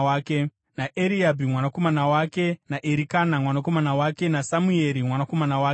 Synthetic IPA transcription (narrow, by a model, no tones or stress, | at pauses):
aːke | naʔeɾiabʱimwanako̞manawake̞naʔeɾikanamwanako̞manawake̞nasamue̞ɾimwanako̞manawaː